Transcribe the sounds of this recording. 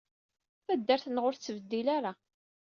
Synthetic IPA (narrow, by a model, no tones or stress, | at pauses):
θæd̪ːæɾθnʁʊɾθt͡sːəvəd̪ːilaɾa